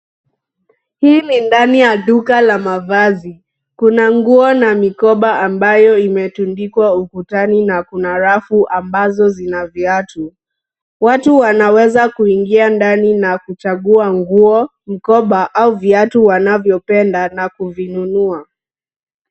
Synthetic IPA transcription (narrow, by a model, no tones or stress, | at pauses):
hiːnindanijaɗukalamavazi | kunaŋɡuɔnamikɔɓaːmbajɔimɛtundikwaukutaninakunaɾafuʔambazɔzinaviatu | watuwanawɛzakuiŋɡiandaninakut͡ʃaɠuaŋɡuɔ | m̩kɔɓaʔauviatuwanavjɔpɛndanakuvinunua